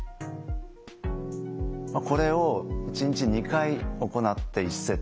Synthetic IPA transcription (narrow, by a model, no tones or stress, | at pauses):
mako̞ɾe̞oit͡ɕiɲ̟t͡ɕiɲ̟ikaio̞ko̞nat̪ːe̞isːe̞